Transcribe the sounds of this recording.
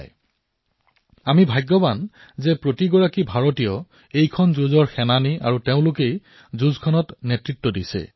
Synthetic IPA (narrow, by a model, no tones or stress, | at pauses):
j | amibʱajɡːɔban | zɛpɹotiɡɔɹakibʱaɹotijɔ | ejkʰɔnzuzɔɹxɛnania̰ɹuteʊ̃lʊkej | zuzkʰɔnɔtnetɹitːɔdisɛ̰